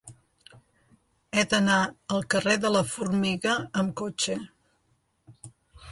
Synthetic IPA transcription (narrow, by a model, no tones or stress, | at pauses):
ɛd̪ənaəlˠkəreðələfurmiɣəːmkot͡ʃə